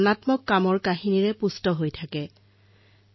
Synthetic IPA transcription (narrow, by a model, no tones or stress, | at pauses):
natmɔkːamɔɹkaɦiniɹɛpustɔɦojtʰakɛ